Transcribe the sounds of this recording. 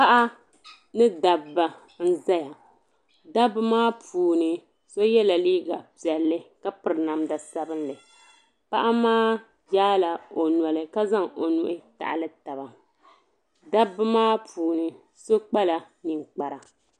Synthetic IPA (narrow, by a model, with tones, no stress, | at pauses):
pa˦ʔa˦ | nɨ˦da˨bːa˨ | n̩˦za˦ja˨ | da˦bɨ˦maː˦pʰuː˨nɨ˨ | so˦jɛ˦la˨liː˦ɡa˨pi˨ɛ˨lːɨ˦ka˦pɨ˨ɾɨ˨na˨mda˨sa˦bɨ˦nlɨ˨ | pa˦ʔa˦maː˦ | jaː˦la˨o˨na˨lɨ˨ka˦za˦ŋo˨nu˨ʔɪ˦ta̰˨ʔa̰˨lɨ˦ta˨ba˨ | da˦bɨ˦maː˦pʰuː˨nɨ˨ | so˦k͡pa˦la˨ | nɨ˨ŋk͡pa˨ɾa˨